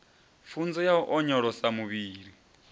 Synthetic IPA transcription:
fund͡zɔjauʔɔɲɔɺɔsamuβiːɺi

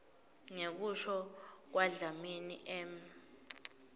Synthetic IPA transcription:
ŋek̬uʃɔk̬waɮaminḭʔɛm

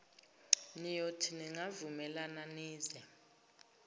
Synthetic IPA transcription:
nijotʰiniŋavumɛlananiːzɛ

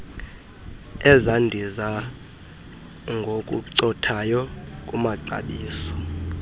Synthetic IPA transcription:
ɛzandʱiza | ŋɡʱokʼṵǀɔtʰajɔkʼumaǃa̰ɓiːsɔ̥

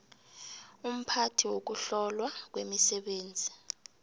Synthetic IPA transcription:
um̩pʰatʰiwok̬uɬɔlwak̬wemisɛɓeːnd͡zʱi

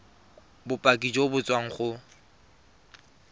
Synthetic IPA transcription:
bʊpʼakʼid͡ʒobʊt͡sʼwaŋ̩χʊ

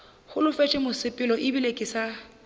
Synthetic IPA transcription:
hʊlʊfɛt͡ʃʼɪmʊsɪpʼɪlɔʔɪbilekʼɪsa

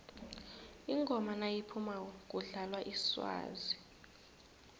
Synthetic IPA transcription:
iŋɡʱɔmanajipʰumak̬ʼuɮalwaʔiswa̰ːzi

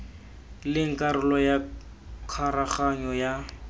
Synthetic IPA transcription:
lɪŋ̩kʼaɾʊlɔja | kʰaɾaχaɲɔja

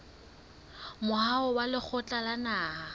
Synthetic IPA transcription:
mʊɦaʊwalɪk͡xʰʊt͡ɬʼalanaːha

